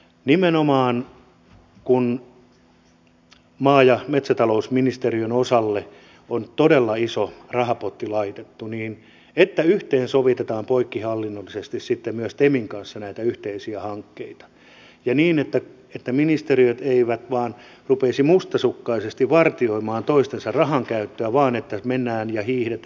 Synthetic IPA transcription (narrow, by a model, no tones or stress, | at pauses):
nimenomɑːn | kun | mɑːjɑmet̪sæt̪ɑlousminist̪eriønosɑlːe | ont̪odelːɑisorɑhɑpot̪ːilɑit̪et̪ːuniːn | et̪ːæyht̪eːnsoʋit̪et̪ɑːmpoikːihɑlːinːolːisest̪issit̪ːemmyøst̪emiŋkɑnsːɑnæit̪æyht̪eisiæhɑŋkːeit̪ɑ̥ | jɑniːnet̪ːæ | et̪ːæminist̪eriøt̪eiʋæt̪ʋɑːnrupesimust̪ɑsukːɑisest̪iʋʋɑrt̪ioimɑːnt̪oist̪ensɑrrɑhɑŋkæyt̪ːøæʋɑːnet̪ːæmenːæːnjɑhiːhdet̪